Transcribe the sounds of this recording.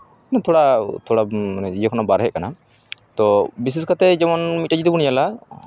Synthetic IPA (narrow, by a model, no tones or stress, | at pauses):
ɛnat̪ʰɔɽat̪ʰɔɽaijɔkʰɔnabaɾɦɛʔ̚kana | t̪ɔbis̬iskat̪ɛd͡ʒɛmɔnmit̪̚ʈad͡ʒit̪ɛbunijala